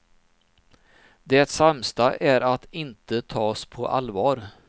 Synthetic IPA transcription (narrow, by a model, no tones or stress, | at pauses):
d̪ɛt̪samst̪aʔæɾat̪ɪnt̪ət̪ʰɑːspʰɔʔa̰lvɑːɾ